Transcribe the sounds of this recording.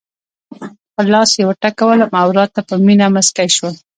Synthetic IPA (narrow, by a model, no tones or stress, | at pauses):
pəlɑsjewəʈakawəlamawɾɑt̪ːapəminaməskajʃwəl